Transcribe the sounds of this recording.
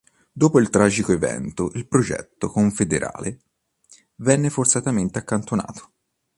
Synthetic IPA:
d̪oːpoilt̪ɾaːd͡ʒikoevɛ̰nt̪oʔilpɾod͡ʒɛ̰t̪ːokoɱfed̪eɾʔa̰ːle | vɛnːefort̪sat̪ament̪eakːant̪ona̰ːt̪ʰo̥

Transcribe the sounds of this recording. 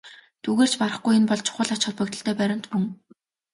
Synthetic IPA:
t̪ʰuɣeːr̥t͡ɕpaɾə̆χɡujenpɔɮt͡ɕʰʊ̥χə̆ɮat͡ɕχʊ̆ɮpɵ̆kt̪ə̆ɬt̪ʰœːpæɾʲɪ̆n̥t̪mɵŋ

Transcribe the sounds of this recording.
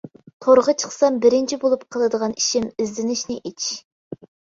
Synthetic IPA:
t̪ʰoɾʁət͡ʃʰə̥χsɑmbɪɾɪnt͡ʃʰibolˠup̚qʰəlˠɨd̪əʁɑniʃimɪzlɪnɪʃnɪʔit͡ʃʰ

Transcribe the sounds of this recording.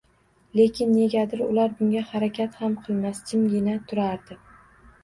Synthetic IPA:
le̞kʲʰɪnːe̞ɡʲad̪ɪɾʊ̰laɾbʊŋɡʲahaɾakʲʰat̪hamqʰɨlˠmast͡ʃʲʰɪmɡʲɪnat̪ʰʊɾaɾd̪ɪ

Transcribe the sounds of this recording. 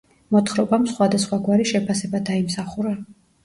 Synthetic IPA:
mɔt̪χɾɔbamsχwad̪asχwaɡwaɾiʃɛpʰasɛbad̪aimsaχuɾa

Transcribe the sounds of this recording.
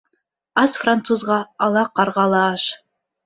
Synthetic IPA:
ɑsfrant̪suzʁɑɑlˠɑqɑɾʁɑlˠɑːʃ

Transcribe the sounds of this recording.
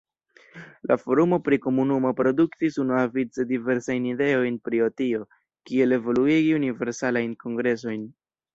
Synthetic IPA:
lafo̞ɾumo̞pɾiko̞munumo̞pɾo̞duktisunuavit͡se̞dive̞ɾsajnide̞o̞jnpɾio̞tio̞ | kie̞le̞vo̞luiɡiunive̞ɾsalajnko̞ŋɡɾe̞s̬o̞jn

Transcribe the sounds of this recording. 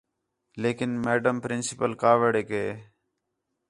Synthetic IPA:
leːkɪnmeːɖəmpɾɪnsɪpəlkaːʋəɽeːkeː

